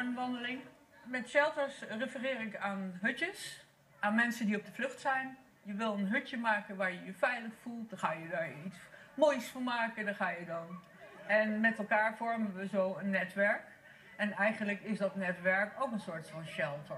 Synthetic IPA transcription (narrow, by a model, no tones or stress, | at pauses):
anʋɑndəlɪŋ | mɛtʃɛlˠtəɹsrəfərɪːrɪkaːnɦɵtəs | ʔaːnmɛnsəndiɔb̚dəvlɵχtsɛjn | jəʋɪlˠənɦɵtəmaːkənʋaːɹjəjəfɛjləχfulˠt̚daɹχaːjədaːɹits | moːjsfʊɹmaːkəndaːɹχaːjədɑn | ɛnmɛtɛlˠkaːɹvɔɹmənʋəzowənːɛtʋɛɹk | ɛnɛjχənləkɪsdɑtnɛtʋɛɹkowkənsʊːɹtfɑnʃɛlˠtə